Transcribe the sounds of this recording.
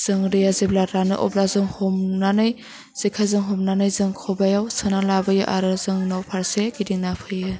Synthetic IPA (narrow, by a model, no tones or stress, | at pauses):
z̥ɯŋɾijaziblaɾanɯ̰ʔɔ̰blazɯŋhɔmnanɯj | z̥ikʰazɯŋɦɔmnanɯjzɯŋkʰɔbajawsɯnalabajɯ̰ʔaɾɯzɯŋnawpʰaɾseɡidiŋnapʰɯjɯ